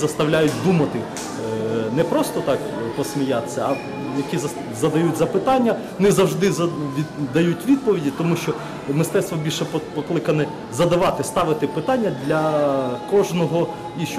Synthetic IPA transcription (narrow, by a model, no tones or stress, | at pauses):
zɐst̪ɐwlʲajʊt̚ʲd̪umɐt̪ɪ | nɛpɾɔst̪ɔt̪ɑkpɔsmʲijat̪sʲːɐɐ | jɐkʲiz | zɐd̪ɐjutʲzɐpɪt̪ɑnʲːɐ | nɪzɐwʒd̪ɪzɐʋʲid̪ɐjutʲʋʲid̪̚pɔʋʲidʲit̪ɔmuʃt͡ʃɔ | mɪst̪ɛt̪st̪ʋɔbʲilʲʃɛppɔklˠɪkɐnɛ | zɐd̪ɐʋɑt̪ɪst̪ɑʋɪt̪ɪpɪt̪ɑnʲːɐd̪ʲlʲɐkɔʒnɔɦɔ | iʃ